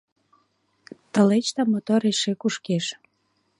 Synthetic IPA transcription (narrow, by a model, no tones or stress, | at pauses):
t̪əlet͡ɕt̪ɑmot̪oɾeʃekuʃkeʃ